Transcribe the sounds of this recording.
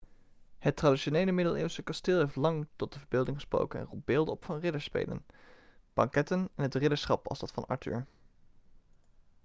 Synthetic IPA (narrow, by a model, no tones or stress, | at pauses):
hətradiʃonejləmɪdəlˠɪ̰ːwsəkɑstɪːlˠɦejftlɑŋtɔt̚dəvəɹbɪːlˠdɪŋχəspro̰wkənɛ̰nrubɪːlˠdəɔpfɑnrɪdəɹspḛjlə̰nb̥ɑŋkɛtənɛnɦətrɪdəɹsχɑpɑ̰lˠzdɑtfɑnɑ̰ɹty̰ɹ